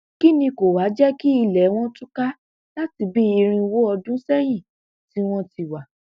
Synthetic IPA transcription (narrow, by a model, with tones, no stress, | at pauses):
ki˦nĩ˧ko˨wa˨˦d͡ʒɛ˦ki˦i˧lɛ˨˦w̃ɔ̃˦tu˦ka˦ | la˦ti˧bi˦i˧ɾ̃ĩ˧wo˦ɔ˧dũ˦sɛ˦j̃ĩ˦˨ | ti˨˦w̃ɔ̃˦ti˧wa˨